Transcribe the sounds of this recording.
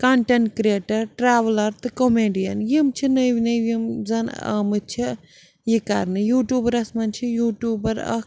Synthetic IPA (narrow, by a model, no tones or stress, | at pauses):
kaɳʈɐɳʈkɾeːʈɐɾʈɾaːʋlɐɾt̪ɨkomeːɖijɐnjimt͡ʃʰinəʋinɐʋjimzɐnɐ̰mɨt͡ʃʰi | jikɐ̰ɾnɨjuːʈjuːbɐɾɐsmɐnt͡ʃʰijuːʈjuːbɐɾɐ̰